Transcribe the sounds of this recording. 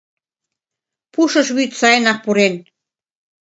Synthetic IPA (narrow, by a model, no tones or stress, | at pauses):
puʃɤ̆ʃβyt̪sɑjnɑk̚puɾen